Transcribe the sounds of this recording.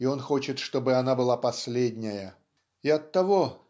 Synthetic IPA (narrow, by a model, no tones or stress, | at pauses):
ɪo̞nxo̞t͡ɕɪt̪ʂt̪o̞bɨɐnabɨlˠapɐsʲlʲedʲnʲɪjə | ɪɐt̪ːɐvo̞